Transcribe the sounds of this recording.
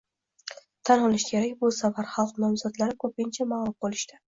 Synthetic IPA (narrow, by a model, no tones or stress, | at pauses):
t̪ʰanɒlˠɪʃkʲʰe̞ɾakʲbʊsavaɾχɑlˠqnɒmzɒd̪laɾɪkʰɵpɪnt͡ʃʰamalˠʊmqolɪ̥ʃt̪ɪ̥